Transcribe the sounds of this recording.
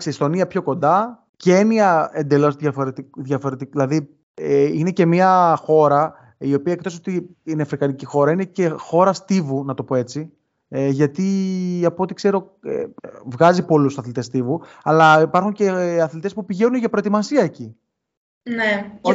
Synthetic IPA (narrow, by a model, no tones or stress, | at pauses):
ksist̪o̞niɐpço̞ko̞nd̪ɐ | ceniɐe̞nd̪e̞lo̞zðɐfoɾet̪iðʝɐfo̞ɾe̞t̪iilɐði | ine̞ce̞miɐxo̞ɾɐ | io̞piɐek̚t̪o̞so̞t̪iineɐfɾikɐnicixo̞ɾɐine̞ce̞xo̞ɾɐst̪ivunɐt̪o̞po̞e̞t͡si | eʝɐt̪iɐpot̪ikse̞ɾo̞̰ | vɣɐzipo̞lusɐθlit̪e̞st̪ivu | ɐlɐipɐɾxuɲce̞ɐθlit̪espupiʝe̞nuneʝɐpɾo̞et̪imɐsiɐeci | ne